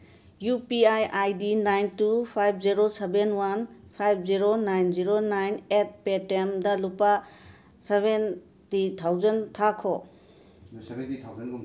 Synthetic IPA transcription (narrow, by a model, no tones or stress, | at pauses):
jupiajʔajdinajntupʰajb̚ʰʱziɾosebenwanpʰajb̚ʰʱziɾonajnziɾonajnet̚petemdɐlupa | seben | titʰawzɐntʰakʰo | i